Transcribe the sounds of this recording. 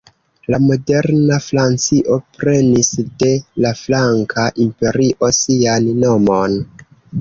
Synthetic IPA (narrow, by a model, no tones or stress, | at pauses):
lamo̞de̞ɾnafɾant͡siʔo̞pɾe̞nisde̞laflaŋkʰaʔimpe̞ɾiʔo̞sianːo̞mo̞n